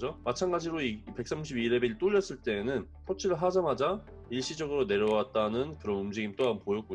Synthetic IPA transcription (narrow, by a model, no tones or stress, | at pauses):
d͡ʑomat͡ɕʰanɡad͡ʑiɾoipe̞k̚s͈amuɕʰibiɾe̞beiɭt͈oʎːʌs͈ɯɭt͈e̞ːnɯn | pʰot͡ɕʰiɾɯɭɦad͡ʑamad͡ʑa | iɭɕ͈id͡ʑʌɡɯɾone̞ɾjʌwat̚t͈anɯnkɯɾʌnɯmd͡ʑiɡimt͈oampojʌk͈̚o